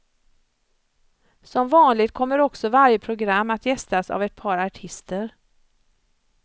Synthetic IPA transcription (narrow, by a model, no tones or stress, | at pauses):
sɔmvɑːnlɪɡ̚t̪̚kʰɔmːəɾɔksɔvaɾjəpʰɾʊɡɾamːat̪jɛst̪asa̰vɛt̪̚pʰɑːɾaʈʰɪst̪əɾ